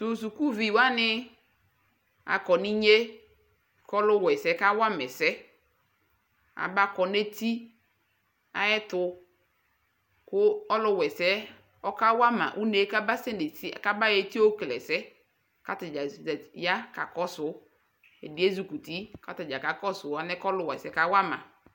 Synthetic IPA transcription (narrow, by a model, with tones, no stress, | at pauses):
sʊ˨su˨ku˦vi˨wa˦nɪ˦ | a̰˨kɔ˨ni˦ɲe˦ | kɔ˦lʊ˦wɛ˨sɛ˦ka˦wa˦mɛ˨sɛ˦ | a̰˨ba˦kɔ˨ne˦ti˦ | a̰˨jɛ˦tʊ˨˦ | kʊ˦ɔ˦lʊ˦wɛ˨sɛ˦ | ɔ˦ka˦wa˦ma̰˨ʔu˦ne˨˦ka˦ba˦sɛ˦ne˨ti˦a˨ka˦ba˦je˨ti˦o˦klɛ̰˨sɛ˦ | ka˦tɪ˨d͡ʒa˨ja˦ka˨kɔ˦sʊ˨˦ | e˨dɪ˨˦e˦zu˨ku˨ti˦ka˨tɪ˨d͡ʒa˨ka˨kɔ˦sʊ˨a˨nɛ˦kɔ˦lʊ˦wɛ̰˨sɛ˦ka˦wa˦mã̰˨